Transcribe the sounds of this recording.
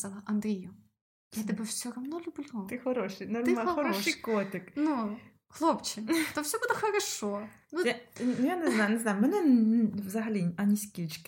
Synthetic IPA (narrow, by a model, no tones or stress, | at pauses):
zalˠɐʔɐnd̪ɾʲijʊ | jat̪ɪbɨwt͡sʲɔɾɐmnɔlʲʊblʲut̪ɪxɐɾɔʃɪjnɐrɪmaxɐɾɔʃikɔt̪ʲɪknu | xlˠopt͡ʃɪt̪ɔfsʲɔbud̪ɛxɐɾɐʃɔnuanʊjanɛznajnɛznajʊmɛnɛnvzɐɦɐlʲiɐnʲisʲkʲit͡ʃkʲɪ̥